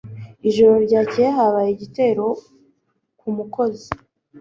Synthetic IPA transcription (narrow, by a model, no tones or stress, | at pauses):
iʒo̞ɾo̞ɾɟaːceɦaβajiɟite̞ːɾo̞ | kumuko̞zi